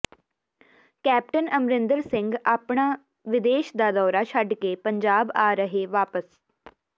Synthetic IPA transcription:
kɛːp̚ʈənəmɾɪ̃nd̪əɾsɪ̃ŋɡaːpɳaː | ʋɪd̪eːʃd̪aːd̪ɔːɾaːʃʰəɖkeːpəɲd͡ʒaːbaːɾəɦeːʋaːpəs

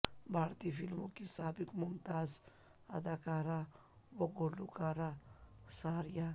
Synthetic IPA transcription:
bʱaːɾt̪ifʰilmokisaːbɪkmʊmt̪aːz | ɐ̰d̪aːkaːɾa | ʋɐɡolukaːɾa | saɾja

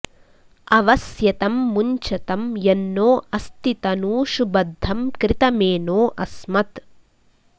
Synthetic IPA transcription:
ɐʋɐsjɐt̪ɐmːuɲt͡ʃɐt̪ɐmjɐnːoːɐst̪it̪ɐnuːʃubɐd̪ʱːɐmkɾɪt̪ɐmeːnoːʔɐsmɐt̪

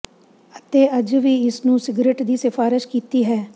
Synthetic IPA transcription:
ət̪eːəd͡ʒʋiːɪsnũːsɪɡɾeːʈd̪iːsɪfʰaːɾɪʃkiːt̪iːɦɛː

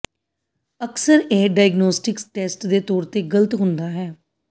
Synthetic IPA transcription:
əksəɾeːɖaːɪɡnoːsʈɪksʈeːsʈd̪eːt̪ɔːɾt̪eːɡələt̪ɦʊ̃nd̪aːɦɛː

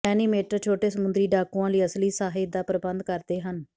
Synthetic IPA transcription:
ɛːniːmeːʈəɾt͡ʃʰoːʈeːsəmʊnd̪ɾiːɖaːkũːãːliːəsliːsaːɦɪd̪aːpɾəbənd̪kəɾd̪eːɦən

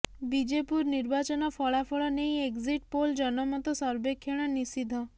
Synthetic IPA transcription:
bid͡ʒepuɾniɾbat͡ʃɔnɔfɔɭafʰɔɭɔneĩeɡziʈ̚pold͡ʒɔnɔmãt̪ɔsɔɾbekʰːeɽ̃anisid̪ʱɔ

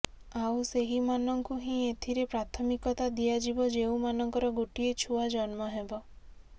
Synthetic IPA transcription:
awseɦimanɔŋkuɦĩet̪ʰiɾepɾat̪ʰɔmikɔt̪ad̪ijad͡ʒibɔd͡ʒeũmanɔŋkɔɾɔɡoʈiet͡ʃʰuad͡ʒɔnmɔɦebɔ

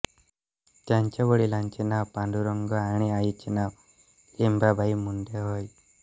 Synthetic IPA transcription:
t̪jaɲt͡ɕaʋəɽilaɲt͡ɕinawpãnɖ̪uɾɔŋɡɔaɽ̃iajit͡ɕinaw | limbabʱaimuɳɖeɦoj

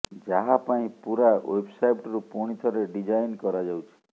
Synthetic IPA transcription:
d͡ʒaɦapaĩpuɾaḛbsajʈɾupuɽ̃it̪ʰɔɾeɖid͡ʒajnkɔɾad͡ʒawt͡ʃʰi̥

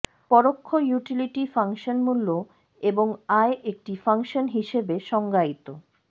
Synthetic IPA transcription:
pɔɾokʰːojuʈiliʈifaŋʃonmulːo | eboŋaeʔek̚ʈifaŋʃonɦiʃebeʃɔŋɡait̪o

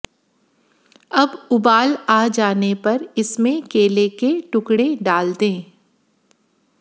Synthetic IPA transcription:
ɐbʊbaːlaːd͡ʒaːnepɐɾɪsmẽkeːlekeʈʊkɽeɖaːld̪ẽː

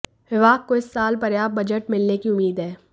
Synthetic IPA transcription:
ʋɪʋaːk̚koɪsːaːlpɐɾjaːb̚bɐd͡ʒəʈmɪlnekiʊmːiːd̪ɦɛː

